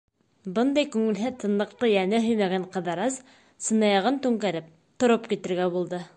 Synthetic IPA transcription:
bɤnd̪ɑjkʉŋɘ̆lɦɘt̪ʰɤ̆nlˠɤ̆qt̪ˠɤjænɘɦɵ̆jmæɡæɴqɤ̆ðɑɾɑz | sɤ̆nɑjɑʁɤnt̪ʉŋkæɾɘp̚ | t̪ŏɾopkit̪ɘ̆ɾɡæbulˠd̪ɤ

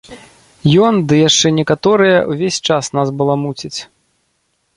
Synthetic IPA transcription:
jɔnd̪ɨjaʂt͡ʂɛnʲɛkat̪ɔɾɨjɐwvʲesʲt͡ʂasnasbɨlˠamut͡sʲit͡sʲ

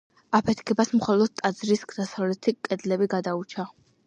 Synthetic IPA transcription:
apʰɛt̪ʰkʰɛbasmχɔlˠɔd̪̥̚t̪ʼːad̪zɾisɡd̪asavlɛt̪ʰikʼɛd̪lɛbiɡad̪aut͡ʃʰa

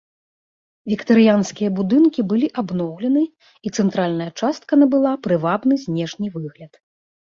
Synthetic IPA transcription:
vʲikt̪ɐɾɨjanskʲijɐbud̪ɨnkʲibɨlʲiʔabnɔwlʲɛnɨ | it̪sɛnt̪ɾalʲnɐjɐt͡ʂast̪̚kɐnɐbɨlˠapɾɨvabnɨzʲnʲɛʂnʲɨvɨɣlʲɐt̪

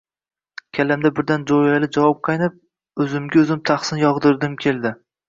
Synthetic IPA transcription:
kʲʰalamd̪abɪɾd̪and͡ʒojalɪd͡ʒavɒp̚qʰɑjnɪp̚ | ɵzɪmɡʲaɵzɪmt̪ʰaχsɪnjɒʁd̪ɪɾd̪ɪmkʲʰe̞ld̪ɪ

